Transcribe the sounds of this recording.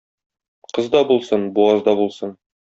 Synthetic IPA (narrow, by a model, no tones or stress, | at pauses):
qɤzd̪ɑbulˠsɤnbuɑzd̪ɑbulˠsɤn